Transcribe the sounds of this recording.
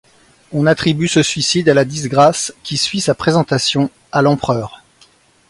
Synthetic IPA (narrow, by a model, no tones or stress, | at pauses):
ɔ̃nat̪χibysəsɥisid̪alad̪izɡʁaskʲisɥisapχezɑ̃t̪asjɔ̃ | alɑ̃pχœːʁ